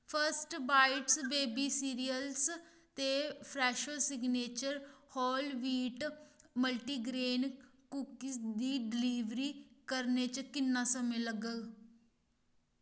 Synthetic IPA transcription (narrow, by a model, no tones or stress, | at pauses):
pʰəɾsʈbaːɪʈsbeːbiːsiːɾijəls | t̪eːpʰɾɛːʃoːsɪɡneːt͡ʃəɾhɔːlʋiːʈməlʈiːɡɾeːnkukid̪iːɖɪliːʋɾiːkəɾnet͡ʃkɪnːãːsəmẽːləɡəu